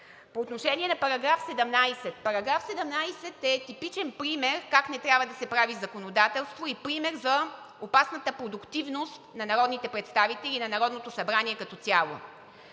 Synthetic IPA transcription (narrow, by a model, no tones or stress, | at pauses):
poːt̪noʃɛnʲiɛnɐpɐɾɐɡɾafsɛd̪ɛmnajsɛt̪pɐɾɐɡɾafsɛd̪ɛmnajsɛt̪ɛt̪ipit͡ʃɛnpɾimɛɾkaknɛt̪ɾʲjabvəd̪ɐsɛpɾavizɐkonod̪at̪ɛlˠst̪voipɾimɛɾzɐ | opasnət̪əpɾod̪ʊkt̪ivnost̪nɐnɐɾɔd̪nit̪ɛpɾɛt̪st̪avit̪ɛlʲinɐnɐɾɔd̪not̪osɐbɾaniɛkɐt̪ɔtsʲalˠo̰